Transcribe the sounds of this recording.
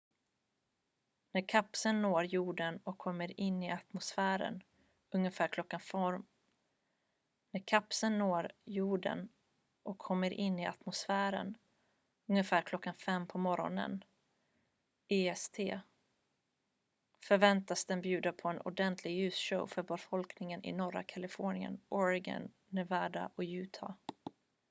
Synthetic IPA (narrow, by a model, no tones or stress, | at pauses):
næɾkʰapsənːoːɾjuːɖənɔkʰːɔmːəɾɪnːɪat̪mʊsfæːɾə̰n | ɵŋːəfæːɾkʰlɔkːanfɔɾ | næɾkʰapsənːoːɾjuːɖə̰n | ʔɔkʰːɔmːəɾʔɪnːɪʔa̰t̪mʊsfæːɾə̰n | ɵŋːəfæːɾkʰlɔkːanfɛmːpʰɔmɔɾɔ̰nə̰n | eːɛst̪ʰeː | fœɾvɛnt̪asd̪ɛnbjʉ̟ːd̪apʰɔɛnʔʊ̰ɖɛnt̪ʰlɪɡjʉ̟ːsʂəwfœɾbɛfɔlknɪŋənʔɪ̰nɔɾa̰kʰalɪfoːnɪə̰nʔɔɾɪɡa̰nːæɾvæːɖa̰ʔɔjʉ̟ːt̪ʰɑ̰